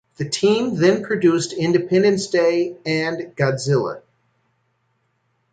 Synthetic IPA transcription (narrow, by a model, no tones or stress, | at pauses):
ðɨtʰĩmðɨ̃npʰɹ̥ɨdʉstɪ̃ndɨpʰɛ̃ndɨ̃nsd̥eɪɨ̃nɡ̥ɑzɪlˠə̰